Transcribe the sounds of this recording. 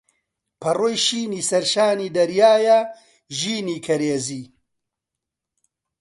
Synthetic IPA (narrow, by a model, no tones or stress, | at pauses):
pʰɐrojʃiːniːsɐɾʃaːniːd̪ɐɾjaːjɐ | ʒiːniːkʰɐɾeːziː